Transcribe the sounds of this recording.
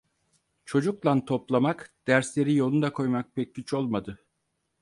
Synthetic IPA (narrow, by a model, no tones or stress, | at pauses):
t͡ʃʰo̞d͡ʒuklˠant̪ʰo̞plˠamakd̪̥æɾslʲe̞ɾijo̞lˠund̪akʰo̞jmak̚pʰɛc̚ːyt͡ʃo̞lˠmad̪ɯ